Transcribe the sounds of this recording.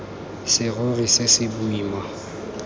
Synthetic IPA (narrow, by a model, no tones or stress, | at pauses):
sɪɣʊɣisɪsɪbuiːma